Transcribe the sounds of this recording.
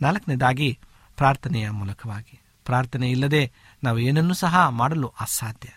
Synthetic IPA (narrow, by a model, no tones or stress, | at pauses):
naːlɐkɐnɛd̪aːɡi | pɾaːɾt̪ʰɐnɛjɐmuːlɐkʰɐʋaːɡi | pɾaːɾt̪ʰɐnɛilːɐd̪e̞ | naːʋueːnɐnːuːsɐɦɐmaːɽɐluʔaːsaːd̪ʱjɐ